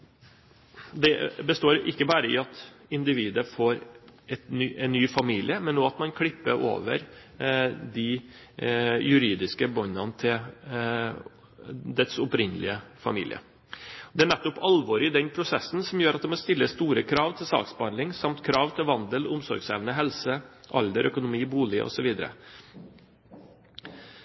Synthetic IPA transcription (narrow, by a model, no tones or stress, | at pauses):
d̪ɛbəst̪oːɾɪkːəbɑːɾəɪ̰ɑt̪ɪnd̪ɪʋiːd̪əfoːɾɛt̪nːʔɛnːyːfɑmiːlɪəmɛnːoːɑt̪mɑnkʰɽɪpːəɾʔo̰ːʋə̰ɾ | d̪ɪ | jʉɾiːd̪ɪskəbɔnɑnət̪ʰɪl | d̪ɛt̪sɔpɾɪnːəlɪ̰əfɑ̰mḭːlɪ̰ə̰ | ɔd̪ɛæɳɛt̪ːɔpɑlʋoːɾɪd̪ɛnpʰɾʊsɛsːn̩sɔmjøːɾɑt̪̚d̪ɛmɔst̪ɪlːəst̪uːɾəkʰɾɑːʋt̪ʰɪlsɑ̰ːksbəhɑnd̪lɪŋsɑmt̪kʰɾɑːʋt̪ʰɪlʋɑnd̪əlʊmsɔɾɡsɛ̰ːʋnəɦɛlsəʔɑld̪əɾʔœkʊnʊmiːbuːlɪʔɔ̰sɔʋiːd̪əɾə̰